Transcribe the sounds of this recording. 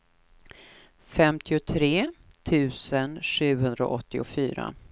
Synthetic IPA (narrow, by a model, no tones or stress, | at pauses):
fɛmt̪ʰɪʊt̪ʰɾeːt̪ʰʉ̟ːsənʂʉ̟ːhɵnd̪ɾa̰ʔɔt̪ːɪʊfyːɾa̰